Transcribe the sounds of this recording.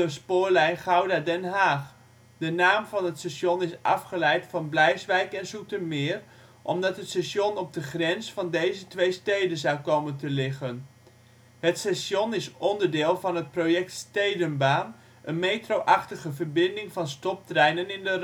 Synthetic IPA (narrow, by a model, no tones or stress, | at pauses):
əspʊːɹlɛjnχawdadɛnɦaːχ | dənaːmvɑnɦətsɛʃɔnɪsʔɑ̰fχəlɛjtfɑnblɛjsʋɛjkɛnsutəmɪːr | ʔɔ̰mdɑtɦətsɛʃɔnɔb̚dəχrɛnsfɑndejzətʋejstejdənzawkowməntəlɪχən | ɦətsɛsɔnɪsɔndəɹdɪːlˠvɑnɦət̚prowjɛk̚tstejdənbaːn | ʔənmejtrowʔɑχtəχəvəɹbɪndɪŋvɑnstɔp̚trɛjnənɪndər